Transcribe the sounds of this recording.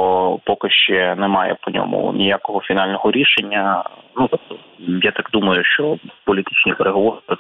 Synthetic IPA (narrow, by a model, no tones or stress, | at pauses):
pɔkɪʃt͡ʃɛnɛmɑjɛ̰pɔnʲo̰mʊ̰nʲijakɔɦɔfʲinɑlʲnɔɦɔɾʲiʃenʲːɐnut̪ɔp̚t̪ɔ | jat̪akd̪umɐjʊʃt͡ʃɔpɔlʲit̪i̥t͡ʃnʲipeɾeɦɔʋɔɾpɔ